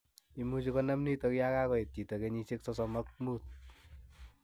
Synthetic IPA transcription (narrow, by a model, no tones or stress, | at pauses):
imut͡ʃikɔnamnitɔkjakakɔet̚ːitokeɲiseksɔsɔmɔk̚muːt̪̚